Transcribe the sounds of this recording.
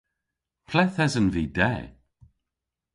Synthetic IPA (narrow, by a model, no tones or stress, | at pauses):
pʰlɛθɛzənviːdɛ̰ː